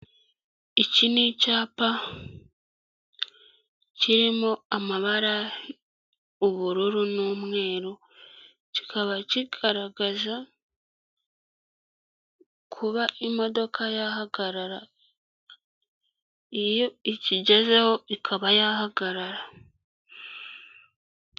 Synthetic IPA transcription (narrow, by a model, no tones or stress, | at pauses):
icinicaːpa | ciɾimoamaβaɾa | uβuɾuɾunuːmŋe̞ːɾo | cikʰaβaciɡaɾaɡaza | kʰuβaʔimo̞do̞kʰajaɦaɡaɾaɾa | ijo̞iciɟe̞zeho̞ʔikʰaβajahaɡaɾaɾa